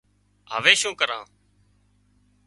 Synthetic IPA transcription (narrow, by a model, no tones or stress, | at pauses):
ɦə̰ʋeːʃũːkəɾãː